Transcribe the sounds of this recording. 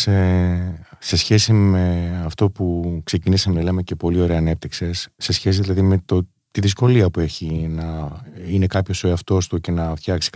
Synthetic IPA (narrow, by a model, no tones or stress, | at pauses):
se | se̞sçe̞sime̞ɐft̪o̞pukse̞cinisɐmenɐlemece̞po̞lio̞ɾe̞ɐːne̞p̚t̪ikse̞sːe̞sçe̞s̬iðilɐðime̞t̪o | t̪iðisko̞liɐpue̞çinɐine̞kɐpço̞so̞eɐft̪o̞st̪uce̞nɐvçɐksi̥k